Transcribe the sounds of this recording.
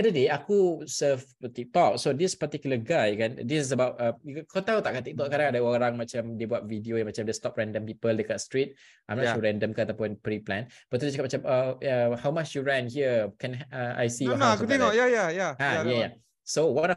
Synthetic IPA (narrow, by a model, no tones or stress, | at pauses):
adədeakusəft̪ik̚t̪ɔk̚sodispat̪ikjuləɡajkandisis̬əbawt̚əmkʰot̪alt̪aʔkat̪ik̚t̪ɔʔskaɾãŋadəooɾaŋmat͡ʃamdibuat̪̚vidiojaŋmat͡ʃamdəst̪ɔp̚ɹɛ̃ndə̃mpipəldekɔtstɹit̚ | ajmnɔ̃suɹɛ̃ndəmkaat̪apʊnpɾiplɛ̃n | bat̪udit͡ʃəkap̚mat͡ʃaməəhawmat͡ʃjuɹɛ̃nɦiəkɛ̃nəa̰jsiɔakut̪ɛŋɔʔjajajaajaja | sowanɔ